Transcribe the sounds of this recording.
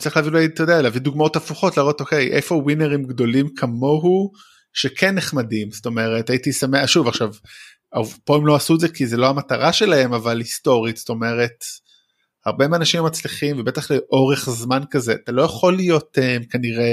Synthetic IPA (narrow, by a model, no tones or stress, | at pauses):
t͡saʁileavilait̪ojdealeavid̪uɡmao̞tafuχo̞tlaːʁo̞to̞ke̞jʔefo̞wineʁimɡdo̞limkʰamo̞ɦu | ʃekʰenːeχmadimsto̞me̞ʁe̞taitisameaʃuvaχʃav | apo̞emloasuedzekizelo̞amataʁaʃe̞lahe̞mavalhisto̞ʁitsto̞me̞ʁe̞t | haʁbemeaːnaʃimat͡sliχimvebe̞taχleʔo̞ʁe̞χzmankaze̞ʔatalo̞jaχo̞lijo̞temkaniʁe̞